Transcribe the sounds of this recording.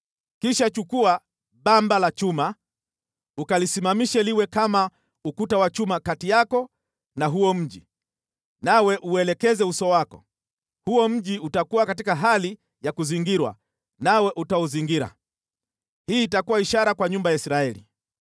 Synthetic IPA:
kiʃat͡ʃukua | ɓambalat͡ʃuma | ukalisimamiʃɛliwɛkama | ukutawat͡ʃumakatijakɔ | naɦuɔm̩ʄi | nawɛʔuɛlɛkɛzɛusɔwakɔ̰ | huɔm̩ʄiutakuwakatikaɦali | jakuziŋɡiɾwa̰ | nawɛʔutaɔziŋɡiɾa̰ | hiːtakuwaiʃaɾakwaɲumbajaisɾaɛlḭ

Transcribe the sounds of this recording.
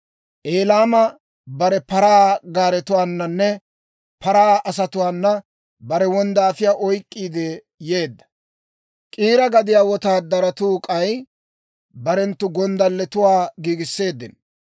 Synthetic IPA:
ʔe̞ːlaːmɐ | bɐɾɛpɐɾaːɡaːɾɛt̪ʊwaːnːɐnːɛ | pʰɐɾaːʔɐs̬ɐt̪ʊwaːnːɐ | bɐɾɛwɔnd̪aːfɪjaːʔɔjkʼːiːd̪ɛ | je̞ːd̪ːɐ̥ | kʼiːɾɐɡɐd̪ɪjaːwɔt̪aːd̪ɐɾɐt̪uːkʼɐj | bɐɾɛnt̪ːʊɡɔnd̪ɐlːɛt̪ʊwaːɡiːɡɪsːe̞ːd̪ːɪ̰n

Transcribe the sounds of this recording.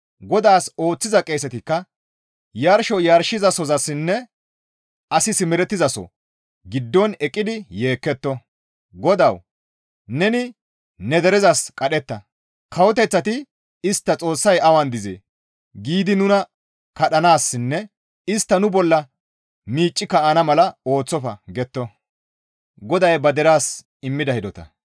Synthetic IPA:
ɡɔd̪aːso̞ːt͡sːɪzɐkʼe̞ːsɛt̪ɪkːɐ | jaɾʃɔjaɾʃɪzɐsɔzɐsːɪnːɛ | ɐsɪsɪmɛɾɛt̪ːɪzɐsɔ̰ | ɡɪd̪ːɔnɛkʼːɪd̪ɪje̞ːkːɛt̪ːɔ | ɡɔd̪ɐw | nɛnɪ | nɛd̪ɛɾɛzɐskʼɐɗɛt̪ːɐ | kʰɐwɔt̪̬ɛt͡sːɐt̪ɪ | ɪst̪ːɐt͡sʼo̞ːsːɐjɐwɐnd̪ɪzḛ | ɡiːd̪ɪnʊnɐ | kɐɗɐnaːsːɪnːɛ | ɪst̪ːɐnʊbɔlːɐ | miːt͡ʃʼːɪkːɐaːnɐmɐlɐo̞ːt͡sːɔfɐɡɛt̪ːɔ | ɡɔd̪ɐjbɐd̪ɛɾaːs | ɪmːɪd̪ɐhɪd̪ɔt̪ɐ̰

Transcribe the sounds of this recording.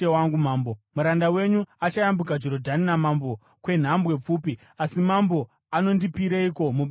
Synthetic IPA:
ewaŋɡumaːmbomuɾandawe̞ɲuat͡ʃajambuk̬ad͡ʒo̞ɾodʱaninamambo̞ | kwe̞n̤ambwe̞p͡fuːpi | asimambo̞ | ano̞ndipiɾeiko̞muɓ

